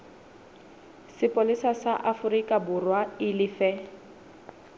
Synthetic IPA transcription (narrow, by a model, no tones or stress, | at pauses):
sɪpʼolɪsasaʔafʊrikʼabʊrwaɪlɪfɛ